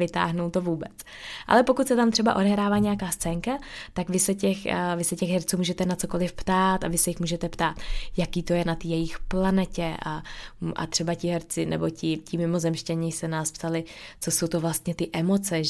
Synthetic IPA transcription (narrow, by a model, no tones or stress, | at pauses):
ɪt̪a̰ːɦnowt̪o̞vuːbɛt͡s | ʔa̰lɛpo̞kut̪sɛt̪amt̪r̝ɛba̰ʔo̞dɛɦɾaːvaːɲɛjakaːst͡sɛːŋkat̪akvɪsɛcɛxvɪsɛcɛxɦɛɾt͡suːmuːʒɛt̪ɛnat͡so̞ko̞lɪfpt̪aːt̪avɪsɛjɪxmuːʒɛt̪ɛpt̪aːt̪jakiːt̪o̞jɛnat̪iːjɛjɪxplanɛcɛʔaʔa̰t̪r̥ɛbacɪɦɛɾt͡sɪnɛ̰bo̞cɪcɪmɪmo̞zɛmʃcɛɲɪsɛnaːspt̪alɪt͡soso̞wt̪ovlast̪ɲɛt̪ɪʔɛmo̞t͡sɛ